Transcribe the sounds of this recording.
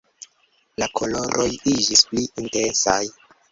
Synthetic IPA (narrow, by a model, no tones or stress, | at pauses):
lakʰo̞lo̞ɾʔojid͡ʒispliintensaj